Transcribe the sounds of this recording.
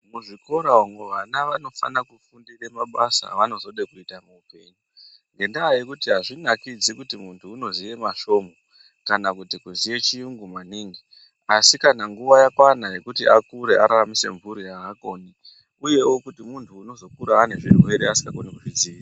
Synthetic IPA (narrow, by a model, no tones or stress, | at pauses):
muʐiko̞ɾaomweʋanaʋano̞fa̰nakufundiremaɓasa̰ʋano̞zo̞ɗekuitamuːpe̞ːɲu | ŋɡe̞ndaːje̞kutiɦaʐinakid͡zikutimuntʰuːno̞zije̞maʃo̞mo | kanakutikuzije̞t͡ʃijuŋɡumaniːŋɡi | asikanaŋɡuʋajakwanaje̞kutiʔakuɾeʔaɾaramise̞̰ɱvuɾijaːkoni | uje̞wo̞kutimuntʰuːno̞zo̞kuɾaːne̞ʐirwe̞ɾeasi̥ŋɡakonekuʐid͡ziisa